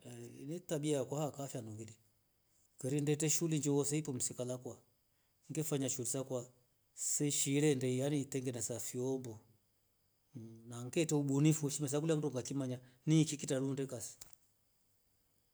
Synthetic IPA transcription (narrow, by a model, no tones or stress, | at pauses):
nitaɓiakwahakafjanuɡili | kɛɾindɛtɛʃuliɲd͡ʒɔwɔsɛipɔm̩sikalakwa | ŋɡɛfaɲaʃulisakwa | sɛʃiɾɛndɛijanitɛŋɡɛnɛsafiɔmbɔ | naŋɡɛtɛuɓunifuʃimɛs̬ak̬uliam̩undɔŋɡakimaɲanikikitaɾundɛkasi̥